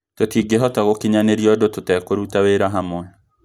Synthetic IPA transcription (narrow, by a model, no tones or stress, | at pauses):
totiɡeɦɔtaɣokiɲaneɾiɔdototɛkoɾutaweɾaɦamɔɛ